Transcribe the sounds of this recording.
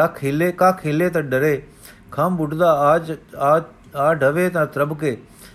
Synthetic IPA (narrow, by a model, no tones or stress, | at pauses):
akʰeːlekãːkʰeːleːt̪̬ɐ̃ɖəɾeː | kʰaːmbʊʈd̪aːaːd͡ʒaː | aːɖʱəʋeːt̪ãːt̪ɾəbkeː